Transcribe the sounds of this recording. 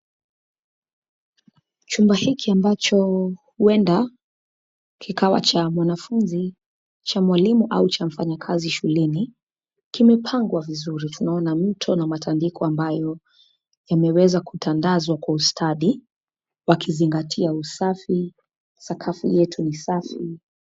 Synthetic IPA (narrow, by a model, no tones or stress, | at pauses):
t͡ʃumbahikiambat͡ʃɔhuɛnda | kʰikʰawa̰t͡ʃamwanafunzi | t͡ʃamwalimuʔaut͡ʃam̩faɲakʰaziʃulɛni | kimɛpʰaŋɡwavizuɾitunaɔnam̩tʰɔnamatʰandikʰɔambajɔ | jamɛwɛzakutandazwakwaustʰaɗi | wakʰiziŋɡatʰiausafi | sakʰafḭjɛtʰunisafi